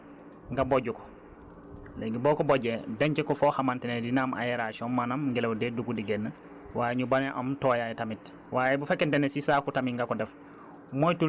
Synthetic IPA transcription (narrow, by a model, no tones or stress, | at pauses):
ŋɡaboɟukɔ̥ | leɡiboːkoboɟedeɲkekɔfohamantenedinaːma̰jeɾaʃɔmmːanamɡɛlewdeduɡudiɡenːə | waːjeɲubaneʔa̰mtoːjajetamit | waːjebufekːentenesisaːkutamiŋɡakodɛf | mojtu